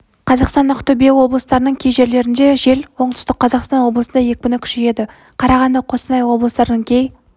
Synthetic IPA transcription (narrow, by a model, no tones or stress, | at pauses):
qʰɑzɑqst̪ɑnːɑqt̪ʰɵbe̞wo̞blˠəst̪ɑɾənəɴkʲʰe̞jʒe̞ɾle̞ɾɪnd̪e̞ʒe̞lwo̞ɴt̪ʰʏ̥st̪əqʰːɑzɑqst̪ɑnwo̞blˠəsənd̪ɑje̞kʲɪbʲɪnɪkʲʰʏ̥ʃeje̞d̪ɪ | qʰɑɾɑʁɑnd̪ɑqʰo̞sənɑjwo̞blˠəst̪ɑɾd̪əŋkʲʰe̞j